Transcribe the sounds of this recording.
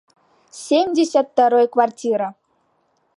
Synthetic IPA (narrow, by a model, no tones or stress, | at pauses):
sʲemʲdʲesʲat̪ːaɾojkvartʲiɾa